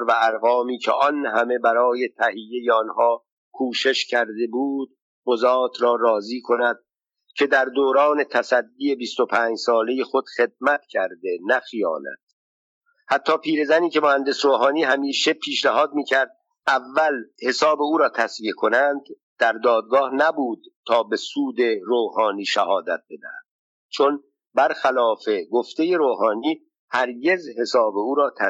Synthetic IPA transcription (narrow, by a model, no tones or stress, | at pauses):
ɾvæːɾɣɒːmiːcʰḛʔɒnhæme̞bæɾɒːje̞t̪ʰæhijːe̞jeɒnhɒː | kʰuːʃe̞ʃcʰæɾd̪e̞buːd̪̥̚ | ɢozɒːt̪ʰɾɒːɾɒːziːkʰo̞næd̪̚ | cʰe̞d̪æɾd̪oːɾɒːne̞t̪ʰæsæd̪ːiːe̞bist̪o̞pʰæːd͡ʒsɒːle̞jexo̞d̪̥χe̞d̪̚mæt̪cʰæɾd̪e̞næxijɒ̰ːnæ̰d̪̥ | hæt̪ʰːɒːpʰiːɾe̞zæniːce̞mohænd̪e̞sɾoːɦɒːniːɦæmiːʃe̞pʰiːʃnæɦɒːd̪̚miːcʰæɾd̪̚ | ævːælhe̞sɒːbe̞uːɾɒːt̪ʰæsviekʰo̞nænd̪̥ː | æɾd̪ɒːd̪̚ɡɒːhnæbuːd̪̥̚t̪ʰːɒːbe̞suːd̪e̞ɾoːhɒːniːʃæ̰hɒːd̪æt̪̚be̞d̪æ̰hæ̰d̪̥̚ | t͡ʃʰo̞n | bæɾxælɒːfe̞ɡoft̪e̞je̞ɾoːɦɒːniː | hæɾɟe̞zhe̞sɒːbe̞uːɾɒːt̪ʰæ